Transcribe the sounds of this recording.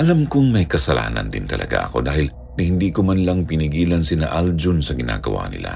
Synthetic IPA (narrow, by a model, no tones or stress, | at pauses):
ʔɐlamkʊŋmɐjkɐsɐla̰ːnɐ̰nd̪ɪ̰nt̪ɐlʔɐ̰ɡa̰ʔɐko̞d̪aːhɪl | nɐhɪnd̪iːkomanlɐŋpɪnɪɡiːlɐnsɪnaʔald͡ʒʊnsɐɡɪna̰ːɡɐwa̰nɪ̰la̰